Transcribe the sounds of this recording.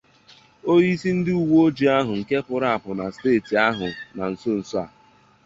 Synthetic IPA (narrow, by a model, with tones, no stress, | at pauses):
o˦ɣi˦si˦n̩˦dɪ˦u˨wo˦o˦d͡ʒi˨a˦ɦʊ˨ŋ̩˨ke˦pʊ˨ɾa˨a˨pʊ˨na˨steː˦˨ti˨a˦ɦʊ˨na˨n̩˨so˦n̩˨sɔ˦a̰˨